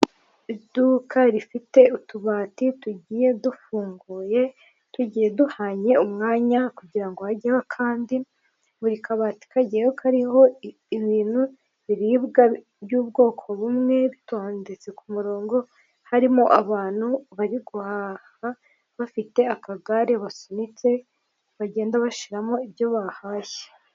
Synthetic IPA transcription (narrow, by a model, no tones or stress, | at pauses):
idukʰaɾifite̞utuβaːtituɟiːje̞dufuːŋɡuːje̞ | tuɟiːje̞duhaɲe̞umŋaːɲakuɟiɾaŋɡohaɟeβakʰaːndi | βuɾikʰaβaːti̥kʰaɟeokʰaɾiho̞ | iβiːn̥hu | βiɾiːβɡa | bjuːb̚ɡo̞ːkʰo̞βumŋe̞βitoːndet͡se̞kumuɾo̞ːŋɡo̞ | haɾimoʔaβaːn̥huβaɾiɡuhaha | βafite̞akaɡaɾeβasonit͡se̞ | βaɟe̞ːndaβaʃiɾamo̞ibjo̞βahaːje̥